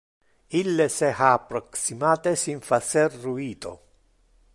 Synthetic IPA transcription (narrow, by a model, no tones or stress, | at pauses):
ilːesehaːpːɾoksimaːt̪esiɱfaserːuiːt̪o̰